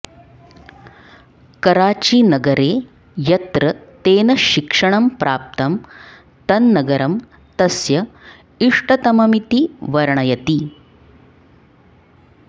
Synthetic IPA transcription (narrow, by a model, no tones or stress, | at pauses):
kɐɾaːt͡ʃiːnɐɡɐɾeː | jɐt̪ɾɐt̪eːnɐʃikʂɐɳɐmpɾʔaːp̚t̪ɐm | t̪ɐnːɐɡɐɾɐm | t̪ɐsjɐ | iʂʈɐt̪ɐmɐmit̪iʋɐɾɳɐjɐt̪i